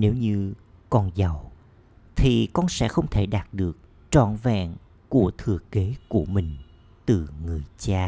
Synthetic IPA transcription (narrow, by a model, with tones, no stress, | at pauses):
ne˨˦wɲɨ˧ | kɔ˧nza˨˩w | t̪ʰi˨˩kɔ˧nsɛ̰˧˥xə˧wŋ͡mt̪ʰe˧˩ɗaː˨˩t̚ɗɨ˨˩ək̚ | t͡ɕɔ̰˧˨nvɛ̰ː˧˨n | ku˧˩ət̪ʰɨ˨˩əke˨˦ku˧˩əmï˨˩ŋ̟ | t̪ɨ˨˩ŋɨ˨˩əjt͡ɕaː˧